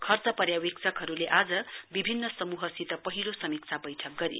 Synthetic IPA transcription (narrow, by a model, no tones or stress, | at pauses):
kʰʌrt͡sʌpʌɾjawik̚t͡sʰʌkɦʌɾuleʔad͡zʌbibʱinːʌsʌmuɦʌsit̪ʌpʌɦilosʌmik̚t͡sʰabʌjʈʰʌk̚ɡʌɾḭ